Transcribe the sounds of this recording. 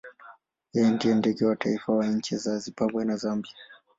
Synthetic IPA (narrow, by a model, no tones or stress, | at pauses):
jɛjɛndiɛndɛɡɛwataifawaɲ̩t͡ʃɛzazipabwɛnazambia